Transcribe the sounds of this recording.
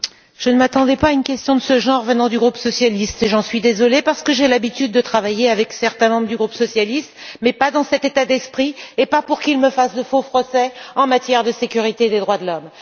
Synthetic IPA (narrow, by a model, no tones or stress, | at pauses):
ʒ̥ənəmat̪ɑ̃d̪ɛpaynkʲɛst̪jɔ̃d̪əsəʒɑ̃ʁvənɑ̃d̪yɡʁupsɔsjalist̪eʒɑ̃sɥid̪ezɔlepaʁsə̥kəʒelabit̪yd̪̚ːət̪χavajeavɛksɛʁt̪ɛ̃mɑ̃bʁəd̪yɡʁupsɔsjalist̪mɛpad̪ɑ̃sɛt̪et̪ad̪ɛspχiepapuʁkilməfasd̪əfofχɔsɛɑ̃mat̪jɛʁd̪əsekʲyʁit̪ed̪ed̪ʁwad̪əlɔm